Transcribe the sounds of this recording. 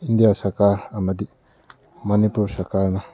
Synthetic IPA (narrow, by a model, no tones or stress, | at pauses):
indijasɐɾkaɾɐmɐd̪i | mɐnipuɾsɐɾkaɾnɐ